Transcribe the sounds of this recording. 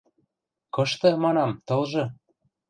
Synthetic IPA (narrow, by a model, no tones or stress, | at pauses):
kɤ̆ʃt̪ɤ̆mɑnɑmt̪ɤ̆lʒɤ̆